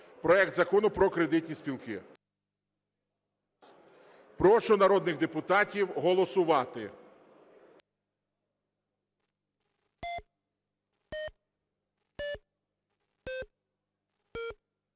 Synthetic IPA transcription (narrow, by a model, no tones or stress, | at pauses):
pɾɔɛk̚t̪zɐkɔnʊpɾɔkɾe̞d̪ɪtʲnʲispʲilˠkɪ | pɾɔʃɔnɐɾɔd̪nɪɣd̪epʊt̪ɑtʲiwɦɔlˠɔsʊʋɑt̪ɪ